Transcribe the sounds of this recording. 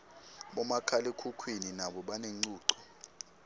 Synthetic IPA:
ɓɔmakʰalɛkʰukʰwininaɓɔɓaneŋ͡ǀuːǀɔ̥

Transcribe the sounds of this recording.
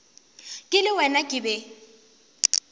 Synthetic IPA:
kʼɪlɪwɛnakʼɪbɛ

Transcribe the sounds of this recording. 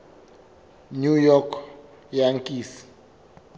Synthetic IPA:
nujɔkʰ | jaŋkʼiːsi̥

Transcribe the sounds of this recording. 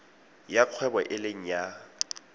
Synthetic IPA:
jaq͡χʰwɛbɔʔɪleŋ̩ja

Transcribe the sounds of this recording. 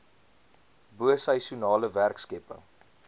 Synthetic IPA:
buəsɐjsjunɑːləværkskɛpə̰ŋ

